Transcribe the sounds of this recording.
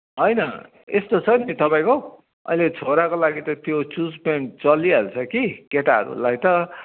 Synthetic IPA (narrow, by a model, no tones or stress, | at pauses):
ɦʌjnʌ | est̪ot͡sʰʌnit̪ʌpãĩko | ʌ̰ilet͡sʰoɾakolaɡit̪ʌt̪jot͡sud͡zpent͡sʌlialt͡sʰʌkikeʈaɦʌ̰ɾṵlajt̪ʌ